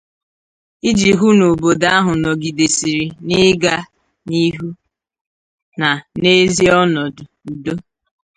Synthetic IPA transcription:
ɪ˦d͡ʒi˨ɦu˦no˨bo˨da˦ɦʊ˨nɔ˨ɡi˨de˨si˨ɾi˨nɪ˦ɡa˦ | ni˦ɦu˦ | na˨ne˦zi˦ɔ˦nɔ˨dʊ˨ | u˨do˦

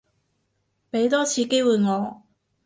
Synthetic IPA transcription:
me˨˥jt̪̬ɔ˥t͡ɕʰi˨˧˥ke˥wu˨˧˩ŋɔ˨˥

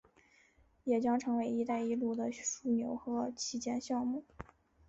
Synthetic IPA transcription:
jɛ˨˩t͡ɕjɑ˥ŋʈ͡ʂʰɤ˧˥ŋwe˧˥ɪi˧˥t̪a˥˧ɪi˧˥lu˥˩d̪ə˩ʂu˥˩njo˨˧˥ʊxɤ˧˥t͡ɕʰi˧˥t͡ɕjɛ˥nɕjɑ˥˧ŋmu˥˩

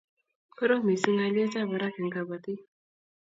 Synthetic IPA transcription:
pʰə˦ɾo˦mi˨su˦ŋa˨le˦t͡sa˦ba˨ɾa˦kə˨ŋɡa˨ba˨t̪i˦

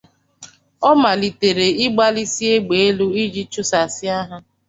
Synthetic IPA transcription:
ɔ˦ma˨li˨te˨ɾe˨ɪ˦ɡ͡ba˦li˦si˦e˦ɡ͡be˨e˦lu˦i˦d͡ʒi˦t͡ʃu˦sa˨sɪ˦a˦ɦa˦

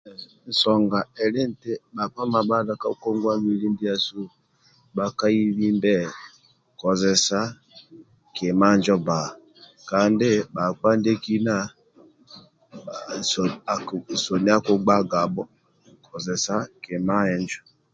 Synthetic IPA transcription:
n̩˨sɔ˨ŋɡa˨ɛ˨le˦n̩˨te˦ɓa˨k͡pa˦ma˨ba˦da˦ka˦u˦kɔ˦ŋɡwa˦mi˨li˦ndi˦a˦su˦ | ɓa˨ka˦i˦βi˦ndɛ˦˨ | kɔ˨zɛ˨sa˦ | ke˨ma˦˨nd͡ʒɔ˦ba˨ | ka˨ndɪ˦ba˨k͡pa˦nde˦ki˦na˦˨ | sɔ˨ni˦a˦ku˦ɡ͡ba˦ɡa˨bɔ˦ | kʰɔ˨zɛ˨sa˦ke˨ma˦ɛ˨ɲd͡ʒɔ˦

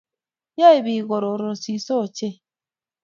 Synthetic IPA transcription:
ja˦e˨bi˨ɣo˨ɾo˨ɾo˨si˨˦so˦˨t͡ʃe˦

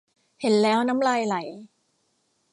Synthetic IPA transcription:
he˩˦nlɛː˦˥wna˦˥mlaː˧jla˩˦j

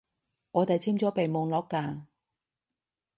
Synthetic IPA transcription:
ŋɔː˨˧t̪e˨jt͡sʰiː˥mt͡sɔː˨˥pe˨jmʊ˨˧ŋlɔː˨˥kːaː˧

